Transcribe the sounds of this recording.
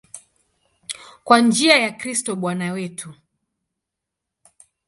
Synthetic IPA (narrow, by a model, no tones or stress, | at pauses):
kwand͡ʒiajakɾistɔɓwanawɛtʰu